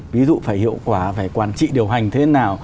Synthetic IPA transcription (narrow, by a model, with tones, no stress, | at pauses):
vi˨˦zṵ˧˨faː˧˩jhḭ˧˨əwkwaː˧˩faː˧˩jkwaː˧˩nt͡ɕḭ˧˨ɗi˨˩əwɦa˨˩jŋ̟t̪ʰe˨˦naː˨˩w